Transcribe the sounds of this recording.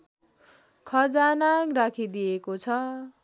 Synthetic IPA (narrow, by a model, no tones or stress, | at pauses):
kʰʌd͡zanakrakʰid̪ijekot͡sʰʌ